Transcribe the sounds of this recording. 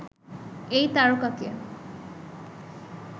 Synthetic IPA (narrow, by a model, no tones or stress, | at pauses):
ejt̪aɹokakia̰